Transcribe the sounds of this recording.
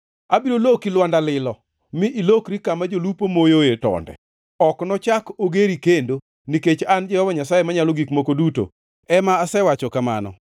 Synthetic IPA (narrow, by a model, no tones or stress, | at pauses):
abiɾolokilwandalɪlɔ | mɪʔilokɾikamad͡ʒolupomojojetɔ̰ndɛ̰ | ɔknɔt͡ʃakoɡeɾikendo | niket͡ʃand͡ʒɛwɔbaɲasajemaɲalɔɡikmokoduto̰ | ɛmaːsɛwat͡ʃɔkama̰nɔ̰